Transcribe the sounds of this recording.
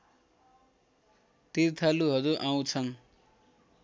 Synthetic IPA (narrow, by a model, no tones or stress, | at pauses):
t̪irt̪ʰaluɦʌɾuʔaw̃t͡sʰʌn